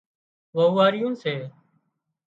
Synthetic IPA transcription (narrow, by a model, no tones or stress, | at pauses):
ʋəʊːʋaːɾɪjũːseː